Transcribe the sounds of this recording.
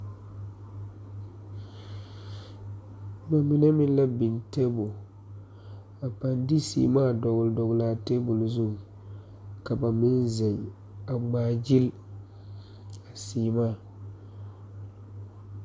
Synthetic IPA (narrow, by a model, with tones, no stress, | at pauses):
ba˨mɪ˨na˦mɪ̃˦n˦la˦bɪ˨nte˦bo˨ | a˨pa˨ndi˦sḭː˨maː˦˨dɔ˨ɣʊ˨ldɔ˨ɡlaː˨˦te˦bʊ˨lzʊ˦˨ŋ˨ | ka˨ba˨mɪ˦nzɛ˨ŋ | a˨ɡ͡baː˨d͡ʒi˦l | a˨siː˨maː˦˨